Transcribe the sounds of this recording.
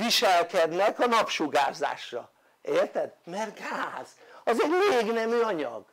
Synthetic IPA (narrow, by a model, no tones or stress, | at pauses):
iʃɛlkɛd̪nɛkɒnɒpʃuɡa̰ːza̰ːʃrɒ̰ | eːrt̪ɛd̪̚mɛrɡaːz̥ | ɒzɛɟmeːɡnɛmyːɒɲɒ̰ɡ